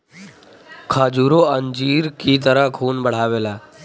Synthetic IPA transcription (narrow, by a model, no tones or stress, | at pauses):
kʰaːd͡ʒuːɾoːəɲd͡ʒiːɾkiːt̪əɾəɦkʰuːnbəɽ̤aːʋeːlaː